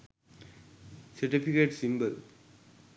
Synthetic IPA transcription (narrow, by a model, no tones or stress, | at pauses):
sɐɾʈifikeʈsimbəl